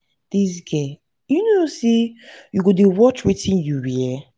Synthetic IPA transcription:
d̥is̬ɡɛ | junosejuɡodewɔt͡ʃwetʰĩnjuwiɛ

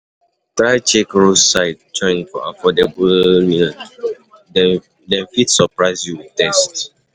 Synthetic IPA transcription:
tɹaɪt͡ʃekɹussaɪt̚d͡ʒɔ̃ɪ̃nfɔ̰a̰fɔdebəlni | dɛ | dɛ̃nfitsəpɹaɪzjuwitɛst

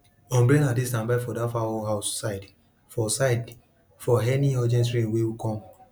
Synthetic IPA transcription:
ɔ̃mblẽnadistãnbaɪfɔdafaɔɦaʊsaɪd | fɔsaɪd | fɔɦɛniɔd͡ʒɛ̃ns̬ɹẽnwewukɔ̃m

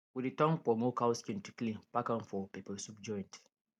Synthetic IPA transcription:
widitɔ̃ŋpɔmokaʊskĩntu̥klĩnpakãnfɔpepəsup̚d͡ʒɔ̃j̃nt

